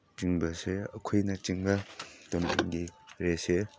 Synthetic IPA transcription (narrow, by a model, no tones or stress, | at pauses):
t͡ʃiŋbɐseɐkʰojnɐt͡ʃiŋbɐdomanɡiɾese